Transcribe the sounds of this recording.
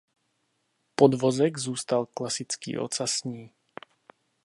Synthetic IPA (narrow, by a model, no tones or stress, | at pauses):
pod̪vozɛɡzuːst̪alklasɪt͡skḭːʔo̰t͡sasɲiː